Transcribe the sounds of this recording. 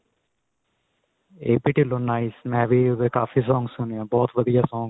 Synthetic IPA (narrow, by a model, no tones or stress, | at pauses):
eːpiʈiloːnaːismɛ̃ːʋiːʊd̪eːkaːfʰiːs̬ɔ̃ːŋɡsʊneãːbɔːt̪ʋəd̪ijaːsɔ̃ːŋɡ